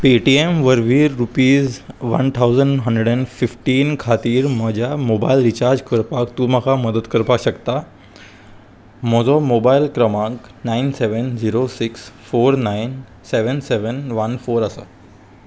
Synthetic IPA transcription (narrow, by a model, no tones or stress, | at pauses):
peʈiemʋəɾʋiːɾːupiːzʋɐ̰nt̪ʰawzəɳɖɦəɳɖɾəeɖɛ̃ɳɖfifʈiːnkʰat̪iːɾməd͡ʑjamobailɾit͡ɕaɾd͡ʑkəɾpakt̪uːməkʰaməd̪əd̪kəɾpaɕəkt̪a | mɔd͡zɔmobailkɾəmãk | nainseʋənd͡ziɾosiksfoːɾnain | seʋənseʋənʋənfoːɾəsa̰